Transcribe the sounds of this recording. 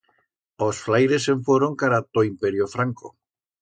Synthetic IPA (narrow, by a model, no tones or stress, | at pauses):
osflajɾeseɱfoɾoŋkaɾat̪oimpeɾjofɾaŋko̰